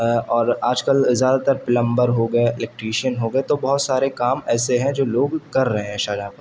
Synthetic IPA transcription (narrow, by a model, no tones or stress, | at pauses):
ɔːɾaːd͡ʒkəlzjaːd̪at̪əɾpɪlə̃mbəɾɦoːɡɐeɪlɛk̚ʈɾiːʃiənɦoːɡɐet̪obɐɦʊt̪saːɾekaːmɛːseɦɛ̃d͡ʒoːloːɡkɐɾːɐɦẽɦɛ̃ʃaːd͡ʒaːpɐɾ